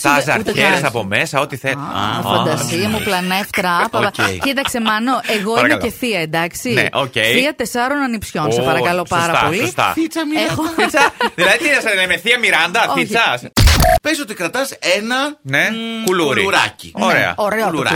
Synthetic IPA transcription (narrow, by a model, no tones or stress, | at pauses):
sɐsɐ̰ɾçeɾsɐpomesɐot̪iθeɐfɐd̪ɐsiɐmuplɐneft̪ɾɐpoɐeit̪ɐkse̞mɐno̞eɣo̞ɐiɾɐele̞θiɐend̪ɐksinḛʔocejiɐt̪e̞sɐɾonɐnipsço̞nssepɐɾɐkɐlo̞spɐsɾɐpo̞list̪ɐ̰fit͡sɐmiexoit͡sɐðilɐðit̪iɐsɐlemeθiɐmiɾɐnd̪ɐoit͡sɐspeso̞t̪ikɾɐt̪ɐsenɐnekuluɾḭɾɐ̰cinoɾeɐ̰oɾeɾɐ̰